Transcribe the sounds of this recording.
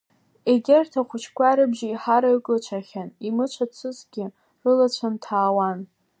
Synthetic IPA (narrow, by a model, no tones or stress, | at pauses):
eɡʲɪrtʰaχʷʊt͡ʃʰkʷʰʼaɾɨbʒaiħaɾaɨkʼlat͡ʃʷʰaχʲanimɨt͡ʃʷʰat͡ɕʷʰɨzɡʲɪ | rɨlat͡ɕʷʰantʰaːwan